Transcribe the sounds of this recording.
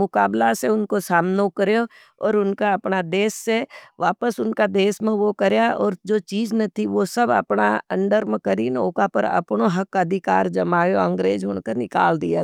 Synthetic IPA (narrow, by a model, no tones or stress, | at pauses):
mʊkaːblaseʊnkosaːmnokəɾjo | ɔːɾʊnkaɐpnad̪eːʃːeʋaːpəsʊnkad̪eːʃmẽʋokɐɾjaɔːɾd͡ʒoːt͡ʃiːd͡ʒnɐt̪ʰiʋosɐbɐ̰pna̰ɐ̰̃ɳɖəɾmkəɾinoːkapəɾɐ̰pnoɦɐkɐd̪ʱɪkaːɾd͡ʒɐmaːjoɐ̃ŋɡɾeːd͡ʒʊnkənɪka̰ːld̪ia